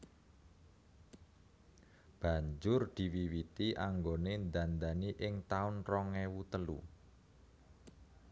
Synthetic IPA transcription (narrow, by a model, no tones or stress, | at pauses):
b̥a̤ɲd͡ʒʊrd̪̥i̤wiwit̪iʔaŋɡonend̪and̪aniʔɪŋt̪aʊnrɔŋewut̪əlṵ